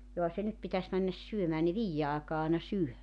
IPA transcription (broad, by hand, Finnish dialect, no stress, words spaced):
johɑ se nyt pitæs mænːæs syømæː ne ʋiːjːe ɑːkɑː ɑˑenɑ syø